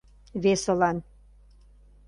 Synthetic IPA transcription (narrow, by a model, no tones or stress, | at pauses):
βesəlɑn